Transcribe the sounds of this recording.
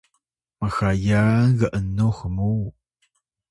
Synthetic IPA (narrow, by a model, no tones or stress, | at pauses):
məxajanɣɐʔənːoxəmuw